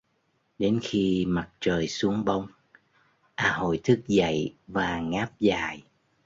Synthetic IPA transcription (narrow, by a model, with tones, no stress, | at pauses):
ɗe˨˦nxi˧ma˨˩t̚t͡ɕəː˨˩jsu˨˦əŋɓə˧wŋ͡m | ʔaː˧˩ɦo̰˧˨jt̪ʰɨ˦˥k̚za̰˧˨jvaː˨˩ŋaː˦˥p̚zaː˨˩j